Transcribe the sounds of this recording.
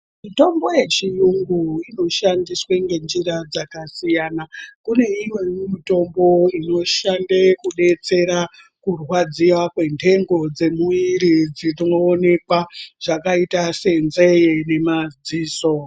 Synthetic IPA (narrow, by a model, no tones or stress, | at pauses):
mito̞mbo̞je̞t͡ʃijuŋɡuino̞ʃandiswe̞ŋɡe̞nd͡ʒirad͡zakasijanakune̞iwwemmito̞mbo̞ino̞ʃandekuɗe̞t͡se̞ɾa | kurwad͡ziwakwe̞ntʰe̞ŋɡo̞d͡ze̞muiɾid͡zirinoːne̞kwaʐ̥akaitase̞nze̞jene̞mad͡ziːso̞